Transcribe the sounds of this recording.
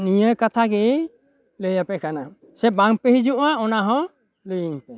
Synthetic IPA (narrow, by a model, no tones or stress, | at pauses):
nijəkat̪ʰaɡɛ | ləjapɛkʰana | sɛbaŋpeɦid͡ʒuʔaɔnaɦɔ̃ | lujiŋ